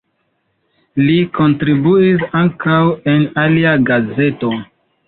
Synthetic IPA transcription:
liko̞ntɾibuis̬aŋkawe̞naliaɡaze̞to̞

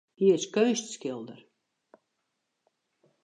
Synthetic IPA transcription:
hiəskœɥstskɪlˠd̪əɾ

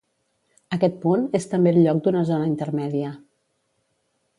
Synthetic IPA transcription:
əkɛt̪̚punest̪əmbelʎɔk̚d̪unəzonəint̪ərmɛðiə

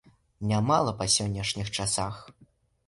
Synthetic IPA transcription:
nʲamalˠɐpɐsʲɔnʲːɐʂnʲixt͡ʂasax

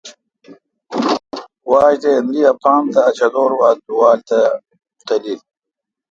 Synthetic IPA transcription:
waːɕt̪eɐnd̪iɐpʰaːmt̪ɐːt͡ɕɐd̪oːɾwaːd̪uwaːlt̪ɐ | t̪ɐlil

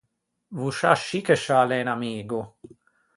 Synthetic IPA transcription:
vuʃaʃːikeʃaːlɛnamiːɡu

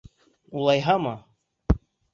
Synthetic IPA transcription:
ulˠɑjɦɑmɤ

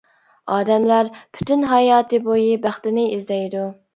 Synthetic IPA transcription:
ɑːd̪ɛmlæɾpʰy̥t̪ynɦɑjɑːt̪ɨbojibæχt̪ɪnɪizd̪ɛjd̪u

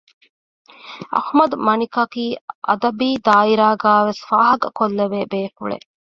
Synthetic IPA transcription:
ʔɐ̰hmɐd̪umɐnikɐkiːʔɐ̰d̪ɐbiːd̪aːiɾaːɡaːʋesfaːɦɐɡɐkolːeʋeːbeːkṵɭḛ

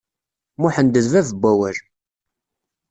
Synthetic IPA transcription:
mʊħənd̪əðvævəbʷːæwæɾ

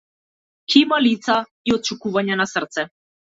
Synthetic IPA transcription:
kʰimalit̪sa | iɔt̪̚t͡ʃukuvaɲanasərt̪sɛ

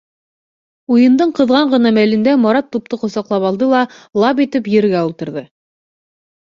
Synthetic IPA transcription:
ujɤ̆nd̪ɤɴqɤ̆ðʁɑɴɢɤ̆nɑmælɘ̆nd̪æmɑɾɑt̪ːup̚t̪ɤqŏsɑqlˠɑpɑlˠd̪ɤlˠɑlˠɑpit̪ɘpjɘ̆ɾɡæulˠt̪ɤ̆ɾðɤ

